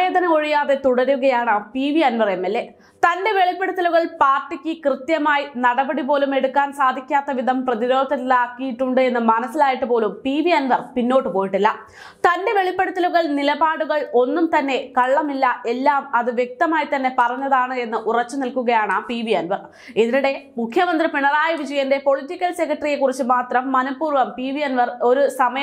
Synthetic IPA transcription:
e̞ːd̪ʱɐnɐo̞ɻijaːðe̞t̪uɽɐɾuɣɐjaːɳapiːʋiɐnʋɐremːelːe̞ | t̪ɐnde̞ʋe̞ɭipːe̞ɽut̪ːɐluɣɐɭpaːrʈːikʲːɨkrɨt̪jɐmaːjinɐɽɐbɐɽipo̞ːlume̞ɽukːaːnsaːd̪ʱikʲːaːt̪ːɐʋid̪ʱɐmprɐðiɾo̞ːd̪ɐtilaːkːijiʈːuɳɖɨe̞nːɨmɐnɐsːilaːjiʈːɨpoːlumpiːʋiɐnʋɐrpinːo̞ːʈːɨpo̞ːjiʈːilːɐ | t̪ɐnde̞ʋe̞ɭipːe̞ɽɐt̪ːiluɣɐɭnilɐbaːɽuɣɐɭo̞nːumt̪ɐnːe̞kɐɭːɐmilːɐʔe̞lːaːmɐðɨʋje̞k̚t̪ɐmaːjit̪ɐnːe̞pɐrɐɲːɐðaːɳɨe̞nːɨʔurɐt͡ɕːɨnilkuɣɐjaːɳɨpiːʋijɐnʋɐr | iðinuɽe̞mukʰjɐmɐnd̪ripiɳɐraːjɐʋid͡ʑɐjɐnde̞po̞ɭitːikʲːɐlse̞kːɐʈɐrijekːurit͡ɕːɨmaːt̪rɐmːɐnɐpːuːrʋɐmpiːʋijɐnʋɐro̞ɾusɐmɐjɐ

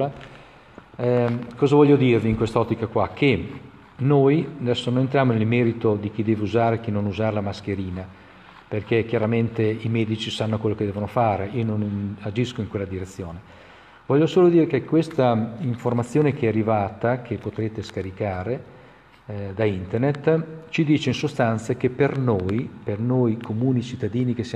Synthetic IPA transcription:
a | kɔːzavɔʎːod̪iːrviːŋkwest̪aɔt̪ːikakwak̟ʰːe | nojad̪ɛsːonojent̪ɾjaːmonelmɛːɾit̪od̪ik̟id̪ɛːveuzaːɾek̟inːonuzaːɾelamask̟eɾiːna | perkek̟jaɾament̪eimɛːd̪it͡ʃisanːokwelːoked̪ɛːvonofaːɾeiːononnad͡ʒiskoiŋkwelːad̪iɾet̪sːjoːne | vɔʎːosoːlod̪iːɾekekwest̪aiɱformat̪sːjoːnek̟eɛarːivaːt̪ak̟epːot̪ɾeːt̪eskaɾikaːɾe | d̪aint̪ernet̪ːt͡ʃid̪iːt͡ʃeinsost̪ant̪sak̟epːernojpernojkʰomuːnit͡ʃit̪ːad̪iːnik̟esːja

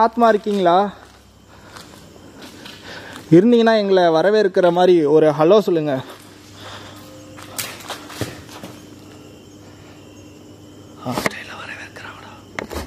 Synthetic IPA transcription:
aːt̪maːɪɾɯkːiːŋɡɐɭaː | ɪɾɯnd̪ɪŋɡɐnːaːɛŋɡɐɭɐʋɐɾɐʋeːɪɾɯkːɪɾɐmaːd̪ɾiɔɾɯɦɐloːsɔlːɯŋɡɐ | haːsʈɐjlʋɐɾɐʋeːɾɯkːɪɾaʋɐɽa

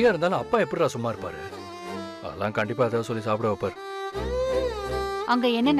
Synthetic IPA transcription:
jaːɪɾɯnd̪aːlɐ̃ɐpːãːɛpːɐɽɪɾaːsʊmːaːɪɾɯpːa̰ːɾɯ | ɐ̰ðlːãːkɐɳɖɪpːaːɐðaːsɔlːisaːpɪɽɐʋɐpːaːɾɯ | ɐŋɡɐɛnːɐn

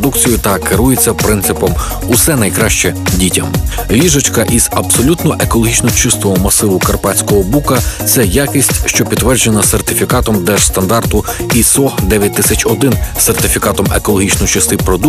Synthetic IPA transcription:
d̪ukt͡sʲijʊt̪ɐkeɾujet͡sʲːɐpɾɪnt̪sɪpɔm | ʊsɛnɐjkɾɑʃt͡ʃɛdʲitʲɐm | ʋʲiʒɐt͡ʃkɐʔiz̥ɐbsɔlʲut̪nɔʔe̞kɔlˠɔɦʲit͡ʃnɔt͡ʃɪst̪ʋɔɦɔmɐsɪʋʊkɐrpɑt͡sʲkɔɦɔbukɐt̪sɛjakisʲtʲʃt͡ʃɔpʲid̪ʋɛrd͡ʒenɐsert̪ɪfʲikɑt̪ɔmd̪ɛʒ̥st̪ɐnd̪ɑrt̪ʊisɔd̪ɛʋʲjɐt̚ʲt̪ːɪsʲɐt͡ʃɔd̪ɪnsert̪ɪfʲikɑt̪ɔmekɔlˠɔɦʲit͡ʃnɔt͡ʃɪst̪ɪpɾɔd̪u

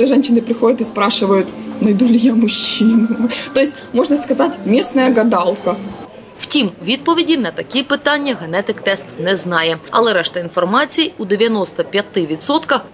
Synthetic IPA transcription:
ɪʐɛnɕɪnɨpɾʲɪxodʲɐt̪ɪspɾaʂɨʋəjʊt̪nɐjd̪ulʲɪjamʊɕːinʊt̪ojɪsʲt̚ʲmɔʐnɐskɐzatʲmʲesnɐjɐɡɐd̪ɑlˠkɐ | w̥tʲimʋʲid̪̚pɔʋʲidʲinɐt̪ɐkʲipɪt̪ɑnʲːɐɣɐnɛt̪ɪkt̪ɛst̪nɛznɑjɛɐ̰lˠɛɾɛʂt̪ɐinfɐrmɑt͡sʲijud̪eʋʲjɐnɔst̪ɐpʲjɐt̪ɪʋʲit̪sɔt̪kɐx

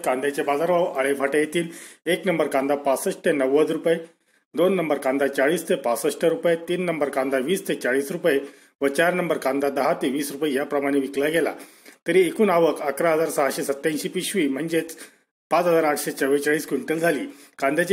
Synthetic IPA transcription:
kãnd̪jat͡ɕebad͡zaɾʋaʋəɭefʰaʈajet̪iːleknəmbəɾkãnd̪apasəʂʈ̪ʰenəʋːəd͡zɾupje | d̪onːəmbəɾkãnd̪at͡ɕaɭiːst̪ʰepasəʂʈʰeɾupjet̪iːnːəmbəɾkãnd̪aʋiːst̪ʰet͡ɕaɭiːsɾupje | ʋət͡ɕaɾnəmbəɾkãnd̪ad̪əɦat̪eʋiːsɾupəjejapɾəmaɽ̃eʋiklajɡʱɛla̰ | t̪əɾiekuːnaʋəkakɾaɦəd͡zaɾsaɦaɕesət̪ːãɲɕipiɕʋiːm̤əɳd͡zet͡s | pãt͡sɦəd͡zaɾaʈʰɕet͡səʋet͡ɕaɭiːskʋiɳʈəld͡zʱaliːkãnd̪ʱjat͡ɕ

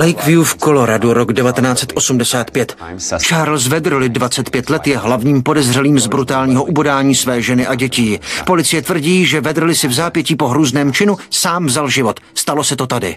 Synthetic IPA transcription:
lɛjkvjufko̞lo̞ɾaduɾoɡdɛvat̪ɛnaːt͡sɛt̪ʔo̞sumdɛsaːt̪pjɛt̪ | t͡ʃaːɾlz̬vɛd̪r̩lɪdvat͡sɛt̪pjɛt̪lɛt̪jɛɦlavɲiːmpo̞dɛzr̝ɛliːmzbɾut̪aːlɲiːɦoʔubodaːɲiːsvɛːʒɛnɪʔaɟɛciːpo̞lɪt͡sɪjɛt̪vr̩ɟiːʒɛvɛd̪r̩lɪsɪvzaːpjɛciːpo̞ɦɾuːznɛːmt͡ʃɪnusaːmvzalʒɪvo̞t̪st̪alo̞sɛt̪o̞t̪adɪ̰

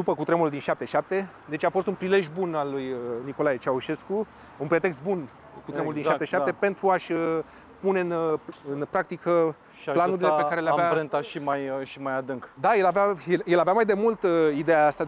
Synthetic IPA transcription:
d̪upəkut̪ɾemuld̪inʃap̚t̪e̞ʃap̚t̪e̞ | d̪e̞t͡ʃʲafo̞st̪unpɾile̞ʒjbunalːujniko̞lajet͡ʃauʃe̞sku | unpɾe̞t̪e̞ks̬t̪̚bun | kut̪ɾemuld̪inʃat̪eʃap̪e̞pe̞nt̪ɾuaʃʲə | pune̞ɨnɨnpɾakt̪ikʰə | lanuɾillepekaɾe̞leaveaɾent̪aʃimajʃimajad̪ɨŋkd̪ajelaveajeljelaveamajd̪e̞mult̪id̪ejaast̪a

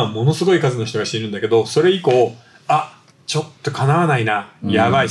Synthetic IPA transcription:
amo̞no̞sɨɡo̞ikazɨnoçi̥t̪o̞ɡaɕi̥t̪e̞ɾɯ̟nd̪ake̞d̪o̞so̞ɾe̞iko̞ː | a | t͡ɕo̞t̪ːo̞kanaβanainajaβai

